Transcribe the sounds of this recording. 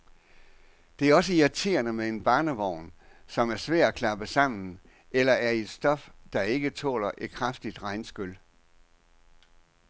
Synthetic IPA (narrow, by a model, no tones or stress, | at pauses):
d̥e̝æɐɒ̽səiɑt͡sʰe̝̰ːɐnəmee̝nb̥ɑ̈ːnəʋɒʊ̰nsɒ̽mæɐsʋæɐ̰̥ækʰlɑ̈b̥əsɑ̈m̰n̩ | elɐʔæɐe̝d̥sd̥ɒ̽fd̥ɑ̈e̝ɡ̥ət͡sʰɔ̰ːlɐʔe̝d̥̚kʰʁafd̥id̥ʁɑ̈ɪnsɡ̥øl